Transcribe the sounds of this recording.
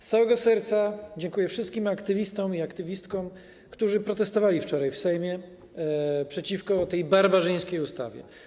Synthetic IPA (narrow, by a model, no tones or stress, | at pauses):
ssawɛɡɔsɛɾt̪sad͡ʑɛŋkujɛfʂɘst̪̚kʲimakt̪ɘvʲist̪ɔmiakt̪ɘvʲist̪kɔ̃m | kt̪uʐɘpɾɔt̪ɛst̪ɔvalʲift͡ʂɔɾajfsɛjmʲjɛ | pʂɛt͡ɕifkɔt̪ɛjbaɾbaʐɘj̃skʲejust̪a̰vʲjɛ̰